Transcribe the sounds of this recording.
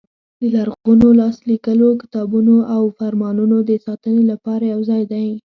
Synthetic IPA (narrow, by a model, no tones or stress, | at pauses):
d̪əlaɾɣunolɑslikəlokɪ̥t̪ɑbunoʔawfaɾmɑnunod̪əsɑt̪ənelapɑɾajawzɑjd̪aj